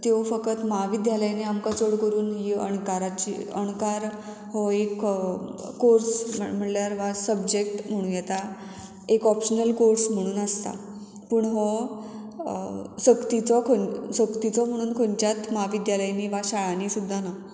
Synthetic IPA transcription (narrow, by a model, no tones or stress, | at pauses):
t̪eʋfəkət̪maaʋid̪jaləjniamkat͡soɽkəɾuːnɦiːə̰ɳkaɾat͡ɕḭə̰ɳkaɾ | hɔekː | oɾsmm̤əɳljaɾʋasəbd͡ʑek̚ʈm̤əɽ̃ũːnjɛt̪a | ekɔpɕənəlkoɾsm̤əɽ̃uːnəst̪a̰ | pəːɳɦɔ | səkt̪it͡sɔkʰosəkt̪it͡sɔm̤əɽ̃uːnkʰoɲt͡ɕjat̪maaʋid̪jaləjniʋaɕaɭaniːsud̪ʱːana